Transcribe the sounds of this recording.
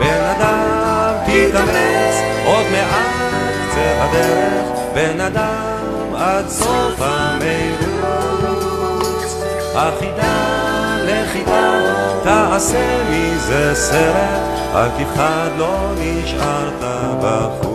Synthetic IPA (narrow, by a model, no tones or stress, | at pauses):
benad̪a | mt̪it̪amet͡s | ʔo̞d̪meʔa | t͡sehad̪ɛɾeχ | benad̪a | mmad̪sofamejɾu | t͡s | haχid̪a | leχid̪at̪aasemizeseɾet | a̰lkiχad̪lo̞ | niʃʔaɾt̪a | baχu